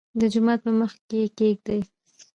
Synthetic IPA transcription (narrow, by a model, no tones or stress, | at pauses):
d̪əd͡ʒʊmɑt̪̚pəməxkekeɡ̚d̪aj